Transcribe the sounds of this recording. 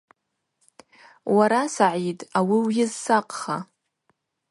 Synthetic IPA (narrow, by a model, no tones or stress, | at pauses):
waɾasaʕitʼawiwjɪzsaqʼχa